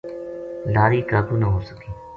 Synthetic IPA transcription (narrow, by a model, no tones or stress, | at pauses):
laːɾiːkaːbuːnaɦoːsə̥kiː